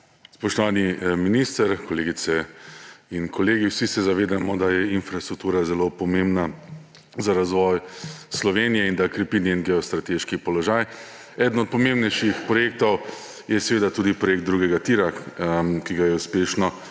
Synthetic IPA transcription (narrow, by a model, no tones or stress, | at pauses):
spɔʃt̪ɔʋaːniminist̪əɾkɔleːɡit̪sɛ | inkʰɔleːɡiwsisɛzaʋeːd̪amɔd̪ajɛinfɾast̪ɾuk̚t̪uːɾazɛlopɔmembna | zaɾazʋɔjslɔʋeːnijɛind̪akɾɛpiniinɡɛɔst̪ɾat̪eːʃkipɔlɔʒaj | ɛːd̪n̩ɔt̪̚pɔmẽmbnɛjʃixpɾɔjeːk̚t̪ɔw | jɛsɛʋeːd̪at̪uːd̪ipɾɔjekt̪̚d̪ɾuːɡɛɡat̪iɾa | kiɡajɛuspeːʃnɔ